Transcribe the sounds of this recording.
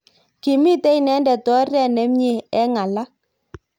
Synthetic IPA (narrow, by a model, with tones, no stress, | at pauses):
ki˨mi˦tɛ˦i˨nɛ˨˦ndɛ˨tɔ˦rɛ˦˨nɛ˦mɲe˨ɛ˦ŋa˨la˦